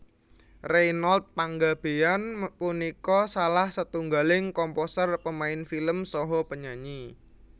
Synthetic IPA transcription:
rejnɔlt̪̚paŋɡab̥e̤anpunikɔsalahsət̪uŋɡalɪŋkɔmposərpəmaɪnfiləmsɔɦɔpəɲaɲi

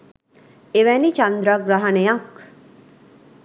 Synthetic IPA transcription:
eʋɛnit͡ʃand̪ɾaɡɾaɦɐnejak

